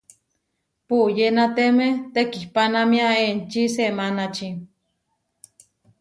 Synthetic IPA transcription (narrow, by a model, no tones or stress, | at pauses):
puʔjenat̪emet̪ekihpanamiaent͡ʃisemanat͡ʃi